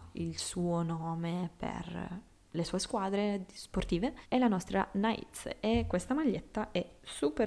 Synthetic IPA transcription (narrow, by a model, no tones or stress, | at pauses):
ilsuːonoːmepḛr | lesuːeskwaːd̪ɾesport̪iːveɛlanɔst̪ɾa̰naḭt̪sekːwest̪amaʎːet̪ːaʔɛsupe